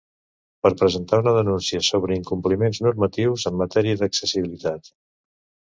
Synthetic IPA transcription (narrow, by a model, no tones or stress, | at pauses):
pəɾpɾəzənt̪aunəðənunsiəsoβ̞ɾəiŋkumplimenznuɾmət̪iwzəmːət̪ɛɾiəðəksəsiβilit̪at̪